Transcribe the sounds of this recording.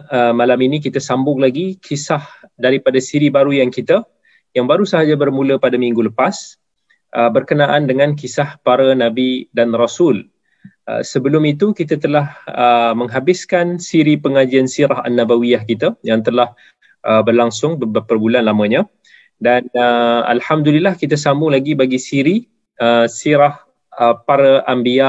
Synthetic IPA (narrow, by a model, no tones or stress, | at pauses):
əmalaminik̬it̪asambʊŋlaɡikʰisahdaɾipadasiɾibaɾujaŋkit̪a | jaŋbaɾusəɦad͡ʒabərmũləpadamĩŋɡuləpas | ʔəbərkənaʔandəŋãnkisahpaɾanabidanrasʊl | ə̰səbəlʊmit̪ukit̪at̪əlahəməŋɦabɪskansiɾipəŋad͡ʒiansiɾaɦa̰nːabawiahkit̪ajaŋt̪əlah | ʔəbərlaŋsʊŋbəpərbulanlamə̃ɲã | danəa̰lhamdulilːahkit̪asambulaɡibaɡisiɾi | əsiɾah | əpaɾaʔambia